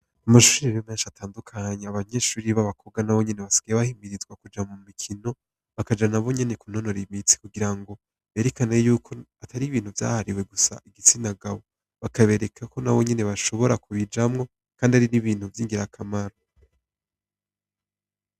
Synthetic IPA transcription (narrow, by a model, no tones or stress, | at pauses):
amaʃuːɾiβemeːnʃatʰaːndukʰaɲeaβaɲe̞ːʃuɾiβaβakʰo̞ɡanaβo̞ɲe̞ne̞βasi̥ɡ̥ajeβahimbiɾizɡwakud͡ʒamumikʰino̞ | βakad͡ʒanaβo̞ɲe̞ne̞kun̥ho̞noɾimit͡si̥kuɡiɾaŋɡo̞ | βe̞ːɾe̞kanejuːkʰo̞atʰaɾiβiːn̥huvja̰ːhaɾiwe̞ɡusa̰ʔiɡit͡sinaɡaβo̞ | βakaβe̞ːɾe̞kʰako̞naβo̞ɲe̞ne̞βaʃo̞βo̞ɾakuβid͡ʒamŋo̞ | kaːndiaɾiniβiːnhuvjiːŋɡiɾakʰamaɾo